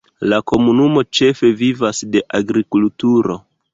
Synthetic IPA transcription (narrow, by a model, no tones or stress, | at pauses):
lako̞munumo̞t͡ʃe̞fe̞vivasde̞ʔaɡɾikultuɾo̞̰